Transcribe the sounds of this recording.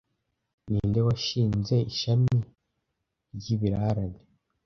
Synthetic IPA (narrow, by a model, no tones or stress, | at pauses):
niːndewaʃiːnze̞iʃami | ɾɟiβiɾaɾane